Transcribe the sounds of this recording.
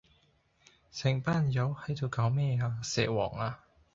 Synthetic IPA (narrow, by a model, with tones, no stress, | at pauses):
sʰɪ˨˩ŋpaː˥˨njɐ˨˧˥whɐ˨˥jt̪o˧wkaː˨˥wmɛː˥˩aː˧sɛ̰ː˨wɔː˨˩ŋaː˧